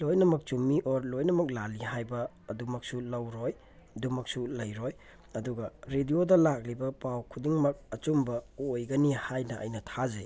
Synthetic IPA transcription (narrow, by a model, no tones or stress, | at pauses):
lojnɐmɐk̚t͡ʃumiʔoɾlojnɐmɐk̚laliɦajbɐː | dumɐk̚sulɐwɾoj | dumɐk̚sulɐjɾoj | ɐduɡɐɾediodɐlak̚libɐpawkʰudiŋmɐk̚ɐt͡ʃumbɐojɡɐnihajnɐʔɐ̰jnɐtʰaze